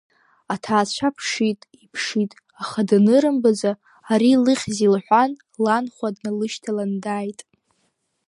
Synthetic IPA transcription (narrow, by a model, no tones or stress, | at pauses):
atʰaːt͡ɕʷʰapʰʂitʼipʰʂitʼ | aχadanɨɾɨmbad͡za | aɾilɨχʲzilħʷan | lanχʷadnalɨʃtʰalandaːjtʼ